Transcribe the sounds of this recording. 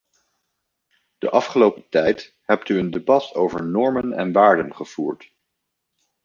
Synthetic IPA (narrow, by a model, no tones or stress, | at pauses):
d̥əʔɑfχəlowpətɛjt | ɦɛp̚tyəndebɑtowvəɹnɔɹmənɛ̰nʋaːɹdənχəv̥uːɹt